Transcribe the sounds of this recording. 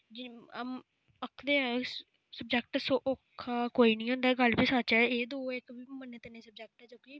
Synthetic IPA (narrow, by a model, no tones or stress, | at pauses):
d͡ʒiam | əkʰd̪eːɛ̃ | səbd͡ʒɛk̚ʈsoːʔokʰːaːkoːiːnĩːɦõːnd̪aːɡəlbisat͡ʃɛːeːd̪oːɪkbiːməneːt̪ənẽːsəb̚d͡ʒɛk̚ʈɛːt͡ʃõːki